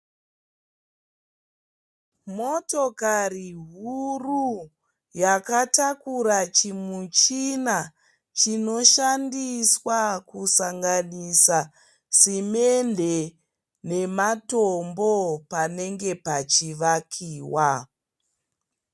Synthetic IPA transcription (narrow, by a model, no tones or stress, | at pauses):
mo̞tokariɦuru | jakatakuɾat͡ʃimut͡ʃina | t͡ʃino̞ʃandiswakusaŋɡanisa | simende | ne̞matombo̞pane̞ŋɡe̞pat͡ʃiʋakʰiːwa